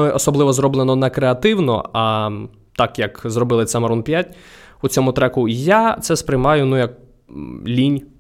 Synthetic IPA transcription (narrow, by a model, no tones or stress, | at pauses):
ɔʔɔsɔblˠɪʋɔzrɔblˠenɔnɛkɾeɐt̪ɪwnɔ̰ɐ | t̪ɑkjɐkzrɔbɪlˠɪt̪sɛmɐɾɔnpʲjatʲ | ʊt͡sʲɔmʊt̪ɾɛkʊjat̪sɛspɾɪjmɑjʊnujɐk̚ | lʲinʲ